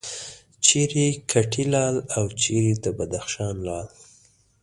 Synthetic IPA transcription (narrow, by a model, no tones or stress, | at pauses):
t͡ʃeɾikʰaʈʰilɑlawt͡ʃeɾid̪əbad̪axʃɑnlɑl